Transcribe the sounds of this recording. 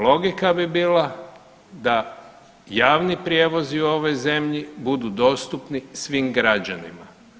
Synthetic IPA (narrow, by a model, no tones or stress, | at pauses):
lo̞ɡikabibiːla | d̪a | jaːʋnipɾʲjeːʋo̞ziuo̞ʋo̞jze̞mʎibud̪ud̪o̞ːst̪upnisʋiːmɡɾad͡ʑanima